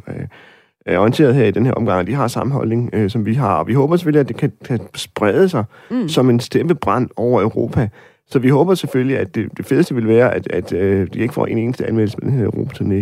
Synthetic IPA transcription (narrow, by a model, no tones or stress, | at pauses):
æɐɒint͡sʰe̝ːɐðˠɦeɐ̰id̥enheɐɒ̽mɡ̥ɑ̈ŋɒd̥iɦɑ̈sɑ̈məɦɒ̽lne̝ŋøsɒ̽mʋiɦɑ̈ɒ̽ʋiɦɔ̽ːb̥ɐse̥føliæd̥e̝kʰækʰæsb̥ʁað̞ˠəsɑ̈ɪ | sɒ̽me̝nsd̥eb̥əb̥ʁɑ̈n̰ɒʊ̰ɐøʊʁo̝̰ːpʰæ | sɒ̽ʋiɦɔ̽ːb̥ɐseføljiæd̥e̝d̥e̝fe̝ðˠsd̥əʋe̝lʋæːɐʔæd̥æd̥ød̥ie̝ɡ̥əfɒ̰ːe̝ːne̝ːnəsd̥əænmel̰səmed̥enheɐʊʁo̝̰ːpʰæ̥t͡sʰuɐne